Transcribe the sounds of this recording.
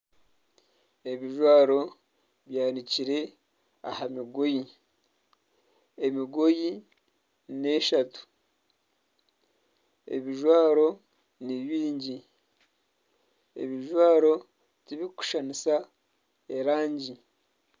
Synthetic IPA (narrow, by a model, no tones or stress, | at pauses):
eβiʒwaːɾo̞ | βjaːniciɾe̞ | a̰hamiɡoji | emiɡoji | ne̞ʃatu̥ | ḛβiʒwaːɾo̞ | niβiːɲɟi | ḛβiʒwaːɾo̞ | tiβiku̥ʃanisa | eɾaːɲɟi